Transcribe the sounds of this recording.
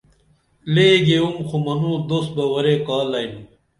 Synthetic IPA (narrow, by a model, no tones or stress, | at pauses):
leːɡeumxʰumɐnuːd̪osbɐwɐɾeːkaːlɐjnu